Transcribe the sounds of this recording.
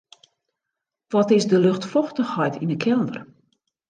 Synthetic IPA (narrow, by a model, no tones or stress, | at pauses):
ʋɔtɪsdəløxtfɔxtəxhɔjtindəkʰɛlˠdər